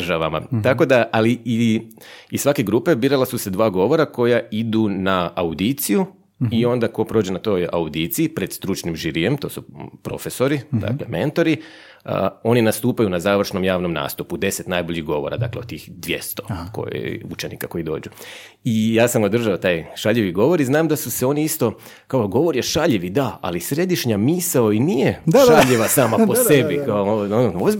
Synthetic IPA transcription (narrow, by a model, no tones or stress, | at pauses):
ʒaʋama̰t̪ako̞d̪aʔalii | isʋake̞ɡɾuːpe̞biːɾalasuse̞d̪ʋaːɡo̞ʋo̞ɾako̞jaid̪unaaud̪it̪siju | io̞nd̪ako̞pɾoːd͡ʒenat̪o̞ːja̰ud̪it̪siːpɾed̪st̪ɾut͡ʃnimʒiɾije̞mt̪o̞ːsupɾo̞̰fe̞so̞ɾid̪a̰kleme̞̰nt̪o̞ɾi | o̞ninast̪uːpajunazaːʋr̩ʃno̞mjaːʋno̞mna̰ːst̪upud̪e̞se̞t̪naːjboʎiɣɡo̞ʋoɾa̰d̪a̰kleot̪ːiːxd̪ʋje̞̰st̪o̞ko̰jḭut͡ʃenḭkako̞id̪o̞̰ːd͡ʒu | ijaːsamo̞d̪r̩ʒaot̪aːjʃaʎiʋiɡo̞ʋo̞ɾiznaːmd̪asuseo̞niist̪o̞ | kaoɡo̞ʋo̞ɾjeʃaʎiʋid̪aa̰lisɾe̞d̪iʃɲamiːsaoinije̞ʃaʎiʋasaːmapo̞sebikaoooz